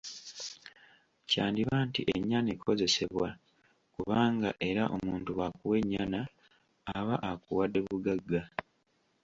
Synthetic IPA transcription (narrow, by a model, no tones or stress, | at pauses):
caːndiβaːntiʔeɲːanekʰo̞ze̞se̞βwa | kuβaːŋɡaʔe̞ɾaʔomuːntuwakuwe̞ɲːanaː | βaʔakuwadːe̞βuɡaɡːa